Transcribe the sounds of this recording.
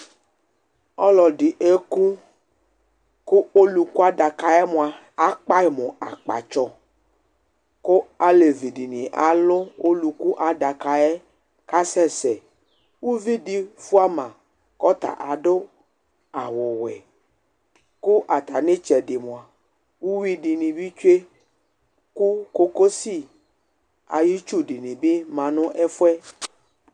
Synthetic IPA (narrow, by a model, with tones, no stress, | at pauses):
ɔ˦lɔ˨di˨ʔe˦ku˦ | kʊ˦o˦lu˨ku˦a˦da˨ka˨ɛ˦mʊ̃˨a˨ | a˦k͡pa˦˨mʊ̃˨a˨k͡pa̰˨t͡ʃɔ˨ | kʊ˦a˨˦le˨vi˨di˨nĩ˨ʔa˨lʊ˦o˦lu˨ku˦ʔa˨da˨ka˨ɛ˦ | ka˦sɛ˦sɛ˨ | wu˦vi˦di˦fu˦a˦mã˨ | kɔ˦t̪a̰˨ʔa˨dʊ˦ | a˨wʊ˨wɛ̰˨ | kʊ˦ʔa˨t̪a˨nɪ̃˦t͡ʃɛ˨dɪ˨mõ˨a˨ | wu˦wi˦di˨nĩ˨bi˦t͡ʃu˦e˦ | ku˦ko˦ko˦si˦˨ | a̰˨ji˦t͡ʃu˦di˨nĩ˨bi˦mã˨nʊ̃˦ʔɛ˦fʊ˦ɛ˦